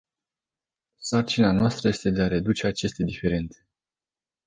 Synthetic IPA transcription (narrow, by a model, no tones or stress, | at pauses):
sart͡ʃinanoast̪ɾəje̞st̪e̞d̪e̞aɾe̞d̪ut͡ʃe̞at͡ʃe̞st̪ed̪ife̞ɾe̞nt̪se